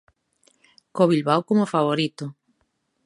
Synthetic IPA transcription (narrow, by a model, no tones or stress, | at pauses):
koβilβawkomofaβ̞oɾit̪ʊ